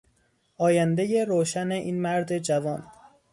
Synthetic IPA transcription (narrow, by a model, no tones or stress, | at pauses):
ʔɒːjænd̪eje̞ɾoːʃæne̞ʔiːnmæɾd̪e̞d͡ʒævɒːn